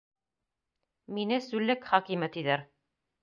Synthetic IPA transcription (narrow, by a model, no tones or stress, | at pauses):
minɘsʉlːɘkχɑkimɘt̪iðæɾ